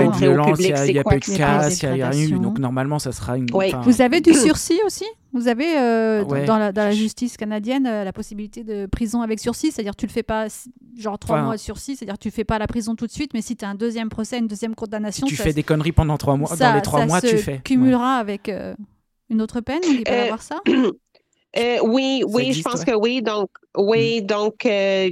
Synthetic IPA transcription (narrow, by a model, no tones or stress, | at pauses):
yvjɔlɑ̃sjailjapayd̪kasjajaʁjɛ̃yd̪ɔ̃knɔʁmalmɑ̃sasʁayñfɛ̃vuzaved̪ysyʁsiosi | vuzaveøw̪wɛɑ̃lad̪ɑ̃laʒyst̪iskanad̪jɛnølapɔsibilit̪ed̪əpχizɔ̃avɛksyʁsise̥t̪ad̪iʁt̪yləfɛpasi̥ | ʒɑ̃ʁt̪χwawasyʁsise̥t̪ad̪iʁkt̪yəfɛpalapχizɔ̃t̪ut̪sɥit̪mɛsit̪yaɛ̃d̪øzjɛmpχɔsɛaynd̪øzjɛmkɔ̃d̪anasjɔ̃tysfɛd̪ekɔnʁipɑ̃d̪ɑ̃t̪χwamwadsaleχswaamwasəfɛkʲymylʁaːvɛkø̰ | ynot̪χəpɛnɔ̃d̪ipaaavwaʁsa | øwiwiʒəpɑ̃skəwid̪ɔ̃kwid̪ɔ̃kø